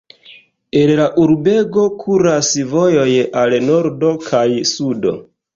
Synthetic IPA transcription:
e̞nlaʔuɾbe̞ɡo̞kʰuɾasvo̞jo̞jalno̞ɾdo̞kʰajsudo̞̰

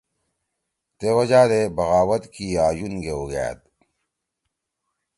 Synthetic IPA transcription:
t̪ewɐd͡ʑaːɾebɐɣaːwɐt̪kiaːjunɡeoɡa̰ja̰t̪

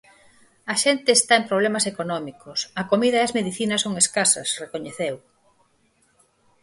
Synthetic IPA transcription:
ɐʃent̪eːst̪aempɾoβ̞lemɐsekonɔmikosɐkomiðɐeɐzmeðiθinɐsoŋeskasɐ̰srekoɲeθew

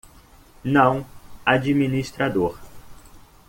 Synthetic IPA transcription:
nɐ̃w̃ad͡ʒiminist̪ɾad̪oɾ

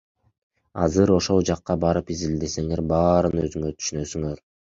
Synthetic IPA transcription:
ɑ̰zɯɾo̞ʃo̞lˠd͡ʒɑqːɑbɑɾɯpizild̪e̞se̞ŋe̞ɾbɑːɾɯnø̞zyŋøɾt̪ʰy̥ʃynø̞syŋø̞ɾ

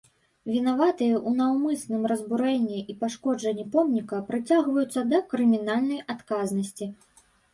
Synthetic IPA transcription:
vʲin̪avat̪ɨjɐʔunɐwmɨsnɨmɾɐzbuɾɛnʲːiʔipaʂkɔd͡ʐɐnʲːipɔmnʲikɐpɾɨt͡sʲaɣvɐjut̪sːɐd̪ɐkɾɨmʲinalʲnɐjʔat̪kaznɐsʲt͡sʲi

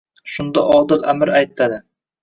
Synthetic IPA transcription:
ʃʊnd̪a̰ʔɒd̪ɨqamɪɾajt̪ʰːad̪ɪ

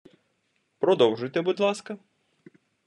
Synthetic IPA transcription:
pɾɔd̪ɔwʒʊjt̪ɛbud̪lˠɑskɐ

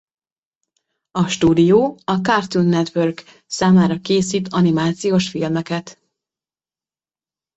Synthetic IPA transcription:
ɒʃt̪uːd̪ijoːɒkart̪unːɛt̪ʋørɡ | saːmaːɾɒkeːsiːt̪ɒnimaːt̪sijoːʃfilmɛkɛt̪

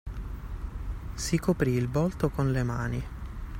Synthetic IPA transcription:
sikopɾiːlbɔlt̪okonlemaːni

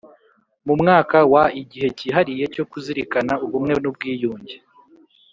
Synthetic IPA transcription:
mumŋaːkawaiɟihe̞ciɦaɾije̞co̞kuziɾikanauβumŋe̞nub̚ɡiːjuːɲɟe

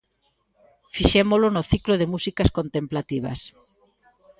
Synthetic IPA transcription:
fiʃemolonʊθikloðemusikɐskont̪emplat̪iβɐ̰s

